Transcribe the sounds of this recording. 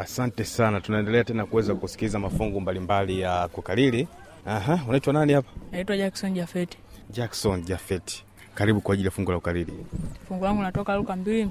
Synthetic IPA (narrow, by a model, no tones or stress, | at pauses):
asantɛsanatunaɛndɛlɛatɛnakuwɛzakusi̥kilizamafuŋɡumbalimbalijakukalili | aɦaunaitwananihapḁnaitwaʄaksɔnʄafɛti̥ʄaksɔnʄafɛti̥ | kaɾiɓukwaːʄilijafuŋɡulaukalilḭfuŋɡulaŋɡunatɔkalukambili